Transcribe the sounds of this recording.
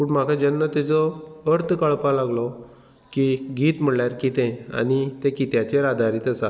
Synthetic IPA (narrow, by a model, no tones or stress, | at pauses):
puːɳm̤akʰad͡ʑənːət̪ɛt͡sɔəɾt̪ʰkaɭpalaɡlɔ | kiɡiːt̪m̤əɭljaɾkit̪ɛ̃a̰ñit̪ekit̪jat͡ɕeɾad̪ʱaɾiːt̪əsa